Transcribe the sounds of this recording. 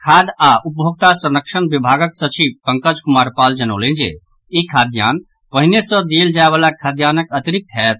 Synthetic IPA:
kʰad̪aʔupbʱoɡ̚t̪asənəkʃənbibʱaɡəksət͡ʃibpə̃ŋkəd͡ʒkumaɾpald͡ʒənə̰lẽnd͡ʒḛ | ikʰad̪ja̰n | pəɦinesə̃d̪eld͡ʒaebalakʰad̪janəkət̪iɾik̚t̪ɦɛt̪̚

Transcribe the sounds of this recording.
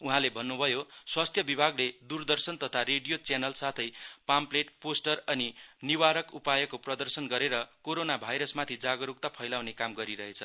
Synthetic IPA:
uɦãlebʱʌnːubʱʌjoswast̪ʰjʌbibʱaɡled̪urd̪ʌrsʌnt̪ʌt̪ʰaɾeɖijot͡senʌlsat̪ʰʌjpampleʈposʈʌrʌniniwaɾʌkupajʌkoprʌd̪ʌrsʌnɡʌɾeɾʌkoɾonabʱajɾʌsmat̪ʰid͡zaɡʌɾuk̚t̪apʰʌjlawnekamɡʌɾiɾʌɦet͡sʰʌ

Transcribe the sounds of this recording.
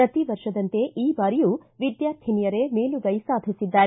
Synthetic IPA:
ɾɐt̪iʋɐɾʃɐd̪ɐnt̪e̞ʔiːbaːɾijuːʋid̪jaːɾt̪ʰinijɐɾeme̞ːluɡɐjsaːd̪ʱisid̪ːaːɾe

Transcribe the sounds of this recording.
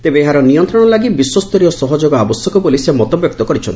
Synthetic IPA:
t̪ebeeɦaɾɔnijɔnt̪ɾɔɽ̃ɔlaɡibiswɔst̪ɔɾijɔsɔɦɔd͡ʒoɡɔabɔsjɔkɔbolisemɔt̪ɔbjɔk̚t̪ɔkɔɾit͡ʃʰɔnt̪ii

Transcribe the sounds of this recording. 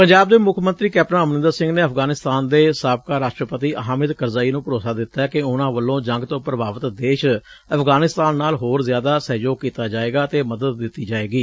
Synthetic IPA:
pəɲd͡ʒaːbd̪eːmʊkʰmənt̪ɾiːkɛːpnãːəmnɪ̃nd̪əɾsɪ̃ŋɡneːəfʰɡaːnɪst̪aːnd̪eːsaːb̚kaːɾaːʃʈɾəpət̪iːʔəɦaːmɪd̪kəɾzaːiːnũːpəɾoːsaːd̪ɪt̪ːaːɛːkɪʊnãːʋəlːõːd͡ʒə̃ŋɡt̪õːpɾəbaːʋət̪d̪eːʃ | əfʰɡaːnɪst̪aːnːaːlɦoːɾzjaːd̪aːsɛːd͡ʒoːkiːt̪aːd͡ʒaːeːɡaːt̪eːməd̪əd̪̚ːɪt̪ːiːd͡ʒaːeːɡiː

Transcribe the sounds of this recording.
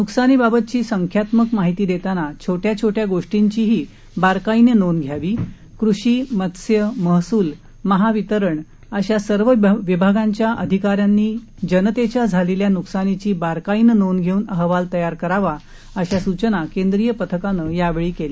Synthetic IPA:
nuksanibabət̪̚t͡ɕiːsəŋkʰjat̪məkmaɦit̪iːd̪et̪anat͡ɕʰoʈjat͡ɕʰoʈjaɡoʂʈiɲt͡ɕiːɦiː | baɾkainənonɡʱjaʋiː | kɾuɕiːmət̪sjəməɦsuːl | məɦaʋit̪əɾəɳ | əɕasəɾʋəʋibʱaɡaɲt͡ɕjaʔəd̪ʱikaɾjanːiː | d͡ʑənət̪et͡ɕjad͡zʱaleljanuksanit͡ɕiːbaɾkainənonɡʱeuːnəɦʋalt̪əjaɾkəɾaʋa | əɕasut͡ɕənakend̪ɾijəpət̪ʰəkanəjaʋeɭiːkeliː

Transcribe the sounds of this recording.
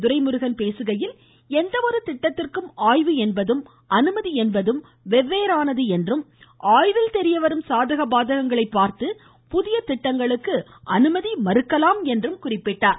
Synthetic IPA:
d̪ʊɾɐɪmɯɾɯɣɐnpeːsɯɣɐjɪl | ɛnd̪ɐʋɔɾɯt̪ɪʈːɐt̪ːɪrkɯmaːjʋɯɛnbɐðɯm | ɐnɯmɐðiɛnbɐðɯm | ʋɛʋːeːɾaːnɐðɯɛndrɯmʔaːjʋɪlt̪ɛɾɪjɐʋɐɾɯmsaːðɐɣɐbaːðɐɣɐŋɡɐɭɐɪpːaːɾt̪ɯ | pʊðɪjɐt̪ɪʈːɐŋɡɐɭɯkːɯ | ʔɐnɯmɐðimɐɾɯkːɐlaːmɛndrɯmkʊrɪpːɪʈːaːɾ

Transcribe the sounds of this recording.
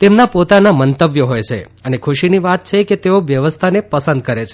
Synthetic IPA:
t̪emnapot̪anamənt̪əbjəɦojt͡ʃʰḛ | ənekʰuʃiniʋat̪̚t͡ʃʰeket̪eoʋjəʋəst̪ʰanepəsə̃nd̪̚kəɾet͡ʃʰe̥

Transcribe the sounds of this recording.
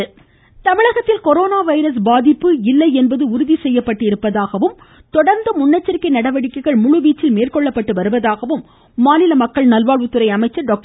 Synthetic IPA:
t̪ɐmɪɻɐɣɐt̪ːɪlkɔɾoːnaːʋɐɪɾɐs̬baːðɪpːɯɪlːɐɪɛnbɐðɯʊɾʊðisɛjːɐpːɐʈːɪɾɯpːɐðaːɣɐʋɯm | t̪ɔɽɐɾnd̪ɐmʊɳːɐt͡ʃːɐɾkːɐɪnɐɽɐʋɐɽɪkːɐɪɣɐɭmʊɻɯʋiːt͡ʃːɪlmeːrkɔɭːɐpːɐʈːɯʋɐɾɯʋɐðaːɣɐʋɯmː | aːnɪlɐmɐkːɐɭnɐlʋaːɭʋɯt̪ːɯɾɐɪɐmɐɪt͡ʃːɐɾɖɔːk̚ʈ

